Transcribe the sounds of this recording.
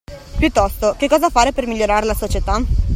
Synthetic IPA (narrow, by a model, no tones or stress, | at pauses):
pjut̪ːɔst̪okekːɔːzafaːɾepermiʎːoɾaːɾelasot͡ʃet̪a